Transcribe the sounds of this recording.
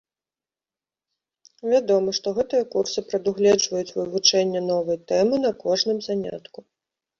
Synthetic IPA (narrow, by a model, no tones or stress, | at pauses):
vʲad̪ɔmɐʂt̪ɔɣɛt̪ɨjɐkursɨpɾɐd̪uɣlʲɛd͡ʐvɐjut͡sʲvɨvut͡ʂɛnʲːɛn̪ɔvɐjt̪ɛmɨn̪ɐkɔʐnɨmzanʲa̰t̪ku